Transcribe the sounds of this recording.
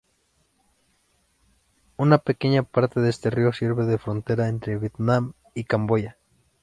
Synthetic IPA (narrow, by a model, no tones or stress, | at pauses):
unapekeɲapaɾt̪eðeest̪eriosiɾβeðefɾont̪eɾaent̪ɾeβjet̪nam | ikamboja